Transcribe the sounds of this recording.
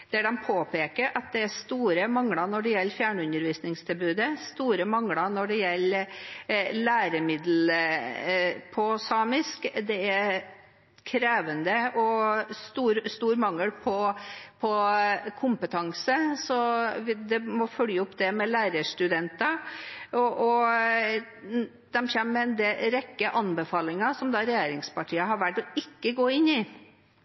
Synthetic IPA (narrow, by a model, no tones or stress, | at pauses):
d̪̥æɖɛmpʰoːpeːkəɾʔɑt̪̚d̪ɛæst̪uːɾəmɑŋlɑnɔɖɛjɛlːfjæːɳʉnəɾʋiːsnɪŋsd̪ɛbʉːd̪əst̪uːɾəmɑŋlɑnɔɖɛjɛlː | læːɾəmɪd̪l̩ | pʰɔsɑːmɪskd̪ɛæɾ | kʰɾeːʋənd̪əʔɔst̪uːɾst̪uːɾmɑŋːəlpʰɔpʰɔkʰʊmpət̪ʰɑŋsəsɔd̪ɛmɔfœljəʊpːd̪ɛmɛlæːɾəʂt̪ʉd̪ɛnt̪ɑɔʔɔ | d̪̥ɛmçɛmmɛnd̪ɛɾɛkːəʔɑnbəfɑːlɪŋɑsɔmd̪ɑːɾɛjeːɾɪŋspɑʈʰiːəɦɑɾʋæʈːɔɪkːəɡoːɪnːɪ